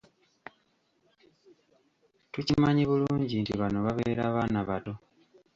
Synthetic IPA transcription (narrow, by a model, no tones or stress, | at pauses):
tucimaɲiβuluːɲɟintiβanoβaβe̞ːɾaːβaːnaβado̞